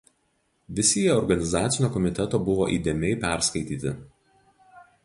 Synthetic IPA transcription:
ʋʲɪsʲɪjɛɔɾɡɐnʲɪzɑːt̪sʲɪnʲoːkɔmʲɪt̪ʲɛt̪oːbʊʋoːʔiːd̪ʲemʲɛɪpʲæˑɾskɐɪt̪ʲiːt̪ʲɪ

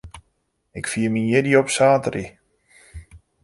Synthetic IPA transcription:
ɪkfiəmiɪdiɔpsaːtəri

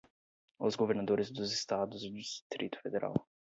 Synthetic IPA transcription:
ɔ̰zɡɔvɛɾnad̪ɔɾisd̪ɔzist̪ad̪ɔzd̪ust̪ɾit̪fɛd̪ɛɾʔa̰lˠ

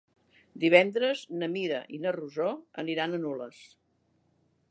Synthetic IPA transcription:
d̪iβ̞ɛnd̪ɾəznəmiɾə̰ʔinəruzoə̰niɾanənuləs

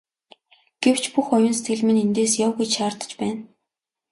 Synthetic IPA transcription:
ɡ̥ew̥t͡ɕʰpuxɔjʊ̆nse̥t̪ɡɘ̆ɮmɘ̆nent̪eːsjawɣujt͡ɕʃaːrt̪ə̥̆t͡ɕpæːn

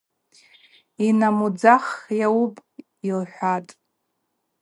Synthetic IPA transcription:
inamud͡zaχjawupʼ | ilħʷatʼ

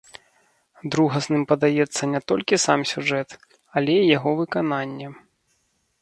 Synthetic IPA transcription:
d̪ɾuɣɐsnɨmpɐd̪ajɛt̪sːɐnʲɛt̪ɔlʲkʲisamsʲuʐɛt̪ | ɐlʲɛijaɣɔvɨkananʲːɛ

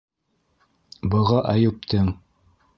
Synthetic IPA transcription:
bɤ̆ʁɑʔæjʉp̚t̪ɘŋ

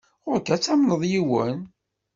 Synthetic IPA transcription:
ʊɾkæt͡sːæmnəðˤjiwən

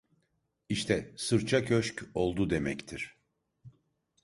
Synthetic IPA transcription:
iʃt̪ʰɛsɯɾt͡ʃʰakʰøʃco̞lˠd̪ud̪e̞mɛct̪ʰiɾ̥

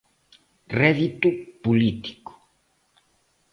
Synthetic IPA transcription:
rɛðit̪upulit̪i̥ku̥

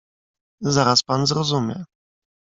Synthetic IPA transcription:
zaɾaspanzɾɔzumʲjɛ̰

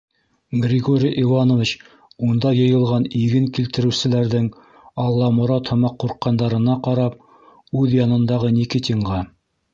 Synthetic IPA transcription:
ɡrʲɪɡoɾʲiʔivɑnovʲit͡ɕ | und̪ɑjɤ̆jɤ̆lˠʁɑniɡɘŋkilt̪ɘ̆ɾɘ̆wsɘ̆læɾðɘŋ | ɑlˠːɑmŏɾɑt̪hɤ̆mɑqːuɾqːɑnd̪ɑɾɤ̆nɑqɑɾɑp̚ | ʉðjɑnɤ̆nd̪ɑʁɤnʲikit̪ʲiŋʁɑ

